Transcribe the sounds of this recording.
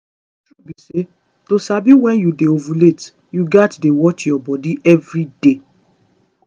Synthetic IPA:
tɹubise | tosabiwɛ̃njudeovũlet | juɡatdewɔt͡ʃjɔbɔdiʔɛvɹide

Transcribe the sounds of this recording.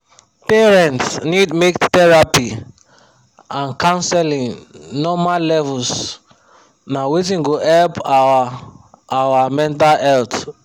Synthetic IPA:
peɹɛ̃ntsnidmektɛɹapi | ãnkãnsɛlĩŋnɔmallɛvuls | nawet̬ĩnɡoɛlpaa | awamɛ̃nt̬alhɛlt

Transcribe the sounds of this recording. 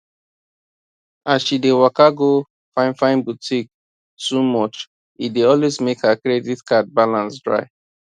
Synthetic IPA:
asʃidewakaɡo | fãɪ̃nfãɪ̃nbutʰik̚ | tumɔt͡ʃ | ideɔlwezmekhakɹeditkad̚balãnsdɹa̰ɪ

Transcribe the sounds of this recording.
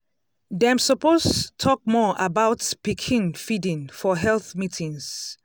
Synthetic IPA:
dãmsɔpostutʰɔk̚mɔabaʊtpikʰĩnfidĩnfɔɦɛlθmitʰĩŋs

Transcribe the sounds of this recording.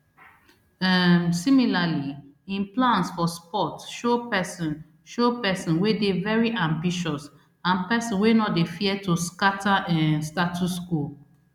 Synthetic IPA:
ɛmsimilali | ĩnplãnsfɔspɔtʃopɛsɔ̃n | ʃopɛsɔ̃nwedevɛɹiʔãmbiʃɔs | ãnpɛsɔ̃nwenɔtdefiɛtuskataɛ̃nstatʰuskul

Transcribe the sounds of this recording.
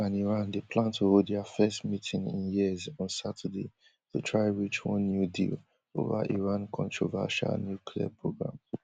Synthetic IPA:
ãniɹãndepʰlãntʰuhoddɛəfɛstmitʰɪ̃ŋɪ̰̃njiəzɔ̃nsatʰəde | tʰutʰɹaɪ̃ɹit͡ʃwɔ̃nːjudḭl | o̰va̰ʔiɹãnkʰɔ̃ntʰɹova̰ʃa̰lnjukʰlia̰pʰɹoɡɹã̰m

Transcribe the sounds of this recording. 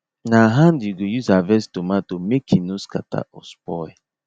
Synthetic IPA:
naɦãnduɡojuzavɛstomatomekʰinoska̰ta̰ʔɔ̰spɔ

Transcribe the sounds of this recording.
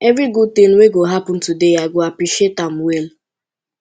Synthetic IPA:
evɾiɡud̚tin̩weɡoɦapʊn̩tudejaɡoapɾiʃetam̩wel

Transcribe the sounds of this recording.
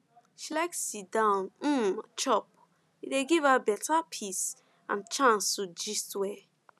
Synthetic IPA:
ʃilaɪk̚sitdãʊnm̩t͡ʃɔp̚ | ideɡivabɛtapʰis | ã̰nt͡ʃãnstud͡ʒistwɛ

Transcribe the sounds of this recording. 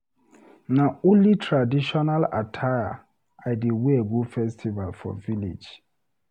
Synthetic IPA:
naulitʰɾadiʃɔnala̰tʰaja̰ | aɪdiweeɡufɛstʰivalfɔ̰vilḛd͡ʒ

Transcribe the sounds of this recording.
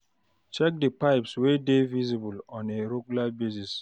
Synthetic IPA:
t͡ʃɛk̚dəpaɪpswedevizibulɔ̃neɾeɡjulabesis

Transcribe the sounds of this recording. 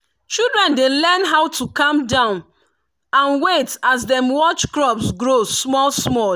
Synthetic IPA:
t͡ʃildɹɛ̃ndelɛnɦaʊtʰukãmdãʊ̃n | ãnwetasdɛ̃mwɔt͡ʃkɹɔpsɡɹosmɔlsmɔ

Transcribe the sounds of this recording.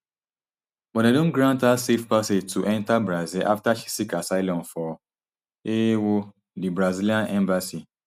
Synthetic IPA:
wɛ̃nadõnɡɾãntasefpased͡ʒtʰuʔɛ̃ntabɾazilʔaftaʃi̥sikasaɪlɔ̃nfɔ | ewo | dibɾaziliãnɛ̃mbasi

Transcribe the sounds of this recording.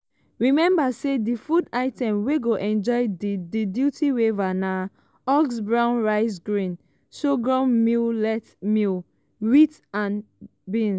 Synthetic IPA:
ɹimɛ̃mbasedifudaɪtɛ̃mweɡoʔɛ̃nd͡ʒɔɪdidjutiwevana | ɔɡsbɹãʊ̃nɹaɪs̬ɡɹĩn | ʃoɡɹãnmillɛtmil | wit | ãnbĩn

